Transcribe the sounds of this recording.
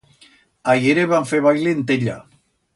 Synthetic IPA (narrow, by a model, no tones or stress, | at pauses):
ajeɾeβaɱfeβajlint̪eʎa̰